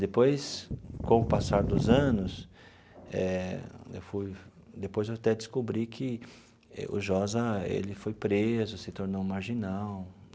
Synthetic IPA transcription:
d̪epojskõw̃ʊpasaɾd̪ʊzɐ̃nʊs | ɛ̰ḛwfuj | d̪epojzewat̪ɛd̪ɪskobɾikʰɪ | ɛ̰ʊ̰ʒɔzɐḛlɪfojpɾezʊsɪt̪oɾnowmaɾʒinaw

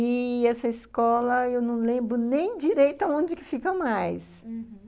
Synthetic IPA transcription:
ɪɛsɐiskɔlɐewnɐ̃w̃lẽmbɾʊnẽj̃d͡ʒiɾejt̪ɐõd͡ʒɪkɪfikɐmajs

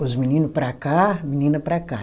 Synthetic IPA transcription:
ʊzminĩnʊpɾɐkaminĩnɐpɾɐka

